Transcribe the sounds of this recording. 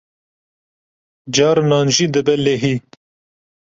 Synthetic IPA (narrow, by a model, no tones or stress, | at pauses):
d͡ʒɑːɾnɑːnʒid̪əbɛlːeɦiː